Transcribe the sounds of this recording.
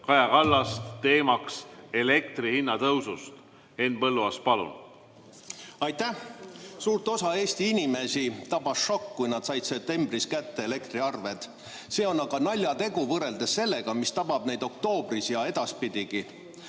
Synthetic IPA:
kɑjɑkɑlːɑst̪t̪e̞ːmɑkselekt̪rihinːɑt̪ɤwsust̪ | e̞npɤlːuɑspɑlṵ | ɑjt̪æhsuːrt̪o̞sɑe̞ːsʲt̪iinʲime̞sit̪ɑbɑsʃo̞kːujnɑd̪̥sɑjd̪se̞p̚t̪e̞mb̥riskæt̪ːe̞ele̞kt̪riɑrve̞t̪ | se̞ːo̞nːɑɡ̥ɑnɑlʲjɑt̪e̞ɡ̥uvɤɾe̞ld̪e̞sːe̞lːe̞ɡ̥ɑmist̪ɑbɑb̥ne̞jd̪̥o̞k̚t̪o̞ːb̥risjɑed̪̥ɑspid̪̥ʲiɡ̥i

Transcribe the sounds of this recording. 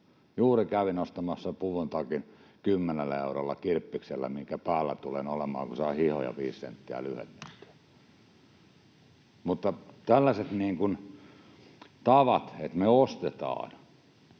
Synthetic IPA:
juːrikæʋinost̪ɑmɑsːɑpuʋunt̪ɑkinkymːenelːæeurolːɑkirpːikselːæ̰miŋkæpæːlːæ̰t̪ulenolemɑ̰ːŋkusɑihiho̰jɑ̰ʋiːssḛnt̪ːiæ̰lyhḛt̪sent̪ːi̥æ̥ | mut̪ːɑt̪ælːæset̪niːŋkun | t̪ɑʋɑt̪het̪meost̪et̪ɑ̰ːn

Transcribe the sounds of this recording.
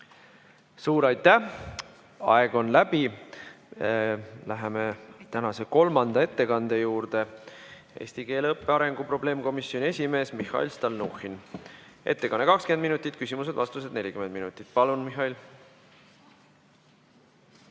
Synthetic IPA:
suːɾɑjt̪ːˑæ | ɑ̰e̞ɡ̥o̞nlæb̥i | læɦeme̞t̪ænɑse̞ko̞lmɑnd̪̥ɑe̞t̪ːe̞kɑnd̪̥e̞juːrd̪̥e̞ | e̞̰ːsʲt̪ike̞ːlɤpːeɑɾe̞ŋɡ̥upro̞b̥le̞ːmko̞misjo̞nʲie̞sʲime̞ːsmihˑɑ̰ḭlst̪ɑlnuxin | e̞̰t̪ːe̞kɑnːekɑkskymend̪minut̪ːˑit̪ːˑkysʲimus̬e̞d̪vɑst̪used̪ne̞lʲikymend̪̚minut̪ːˑit̪̚ˑpɑlunmiɦɑil

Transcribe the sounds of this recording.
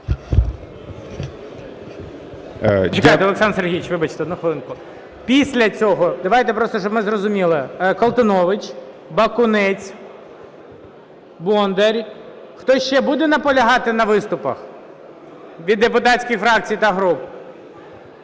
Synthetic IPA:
t͡ʃɪkajt̪ɛɔlˠeksɑnserɦʲijɪt͡ʃʋɪbɐt͡ʃt̪ɛɔd̪nuxʋɐlˠɪnkʊ | pʲisʲlʲɐt͡sʲɔɦɔd̪ɐʋajt̪ɛpɾɔst̪ɔʃɔbmɪzrɔzʊmʲilˠɪkɔlˠt̪ɪnɔʋɪt͡ʃ | bɐkʊnɛt͡sʲ | bɔnd̪eɾʲ | xt̪ɔʃt͡ʃɛbud̪ɛnɐpɔlʲɐɦɑt̪ɪnɐʋɪst̪ʊpɐ̰x | ʋʲid̪ːepʊt̪ɑt͡sʲkijfɾɑk̚t͡sʲijit̪ɐɦɾup

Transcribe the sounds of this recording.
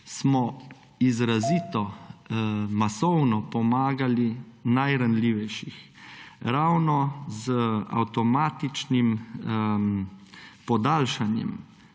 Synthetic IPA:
smɔ | izɾaziːt̪ɔ | masɔwnɔpɔmaːɡalinajɾanliːʋɛjʃix | ɾawnɔzəa̰wt̪ɔmaːt̪it͡ʃnim | pɔd̪aːlʃanjɛ̰m

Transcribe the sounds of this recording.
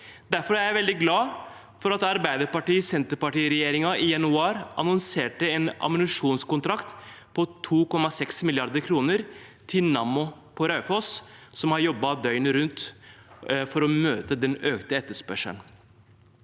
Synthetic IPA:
d̪æɾfɔɾææʋɛld̪ɪɡlɑː | fɔɾɑt̪ɑɾbæɪd̪əɾpɑʈiːsɛnt̪əɾpɑʈiːɾɛjeːɾɪŋɑɪjɛnʉɑːɾʔɑ̰nɔnseːʈəɛnɑ̰mənʉʂuːnskʊnt̪ʰɾɑkt̪ | pʰɔt̪ʰuːkɔmːɑsɛksmɪlɪɑɾd̪əɾkʰɾuːnəɾt̪ʰɪlnɑmʊpʰɔɾɑʉfɔssɔmhɑɾjɔbːɑd̪œʏnɾʉnt̪ | fɔɾɔmøːt̪əd̪ɛnøːkt̪əɛt̪ːəʂpœʂə̰n

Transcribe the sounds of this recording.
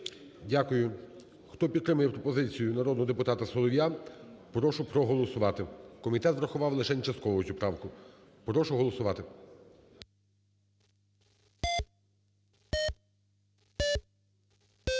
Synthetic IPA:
dʲakʊjʊ | xt̪ɔpʲid̪kɾɪmɪpɾɔpɔzɪt͡sʲijʊnɐɾɔd̪nɔɦɔd̪epʊt̪ɑt̪ɐsɔlˠɔʋʲjapɾɔʃʊpɾɔɦɔlˠɔsʊʋɑt̪ɪkɔmʲit̪ɛt̪ʋɾɐxʊʋɑwlˠɪʃɛnʲt͡ʃɐst̪kɔʋɔtʲʊpɾɑwkʊ | pɾɔʃʊɦɔlˠɔsʊʋɑt̪ɪ

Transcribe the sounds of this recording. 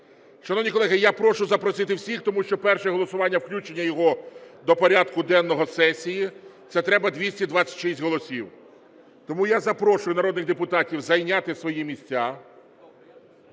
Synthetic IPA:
ʃɐnɔʋnʲikɔlˠɛɦɪjapɾɔʃʊzɐpɾɔsɪt̪ɪwsʲixt̪ɔmuʃt͡ʃɔpɛrʃɛɛɦɔlˠɔsʊʋɑnʲːɐwklʲut͡ʃenʲːɐjɔɦɔd̪ɔpɔɾʲad̪kʊd̪ɛnːɔɦɔsɛsʲijit̪sɛt̪ɾɛbɐd̪ʲʋʲisʲtʲid̪ʋɑt͡sʲːɐ̥tʲʃisʲtʲɦɔlˠɔsʲiw | t̪ɔmujazɐpɾɔʃʊjʊnɐɾɔd̪nɪɣd̪epʊt̪ɑtʲiwzɐjnʲat̪ɪsʋɔjimʲisʲtʲːa

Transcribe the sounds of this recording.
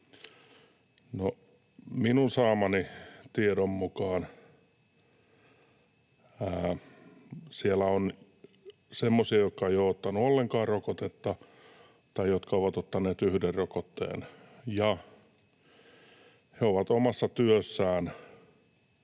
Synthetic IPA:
no | minunsɑːmɑnit̪ieɾommukɑːn | æː | sielːæon | semːosiɑjokkːɑejoot̪ːɑnuolːeŋkɑːrrokot̪et̪ːɑ | t̪ɑijot̪kɑoʋɑt̪ot̪ːɑneːt̪yhderrokot̪ːḛːnjɑ | heoʋɑt̪omɑsːɑt̪yøsːæːn

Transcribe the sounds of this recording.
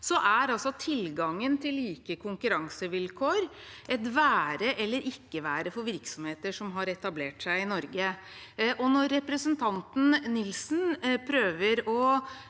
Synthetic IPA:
sɔʔæɾɑlsɔt̪ʰɪlɡɑŋːənt̪ʰɪlːiːkəkʰʊŋkʉɾɑŋsəʋɪlkʰoːɾʔɛt̪ʋæːɾəʔɛlːəɾʔɪkːəʋæːɾəfɔɾʋɪɾksɔmheːt̪əʂɔmɦɑɾɛt̪ɑbleːʈsæɪɪnɔɾɡə | ʔɔnɔɾːɛpɾəsənt̪ʰɑnt̪n̩nɪlsnpʰɾøːʋəɾɔ

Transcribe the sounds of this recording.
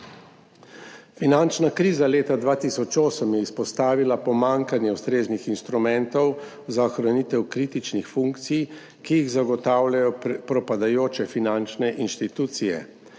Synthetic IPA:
finant͡ʃnakɾiːzaleːt̪ad̪ʋaːt̪isɔt͡ʃoːsəmjɛispɔst̪aːʋilapɔmaŋkanjɛuwst̪ɾeːznixinst̪ɾumɛnt̪ɔw | zaɔxɾanit̪ɛwkɾit̪it͡ʃnixfuŋkt̪sij | kijiɣzaɡɔt̪aːwlʲajɔpɾɔpad̪ajoːt͡ʃɛfinant͡ʃnɛʔinʃt̪it̪uːt̪sijɛ̰

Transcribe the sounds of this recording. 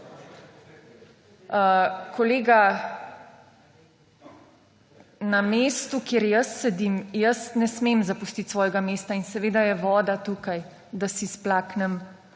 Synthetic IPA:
kʰɔleːɡa | nameːst̪ukjeɾjəsːɛd̪imjəsnɛsmemzapust̪it̪sʋɔːjɛɡameːst̪ainsɛʋeːd̪ajɛʋɔːd̪at̪uːkaj | d̪asisplaːknɛm

